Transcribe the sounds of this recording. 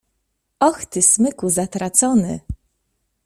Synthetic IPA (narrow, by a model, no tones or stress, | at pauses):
ɔxt̪ɘsmɘkuzat̪ɾat̪sɔnɘ̰